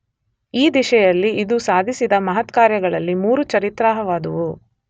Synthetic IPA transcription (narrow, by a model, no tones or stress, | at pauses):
iːd̪iʃɛjɐlːiid̪usaːd̪ʱisid̪ɐmɐɦɐt̪kaːɾjɐɡɐɭɐlːimuːɾut͡ʃɐɾit̪ɾaːɦɐʋaːd̪ɐʋu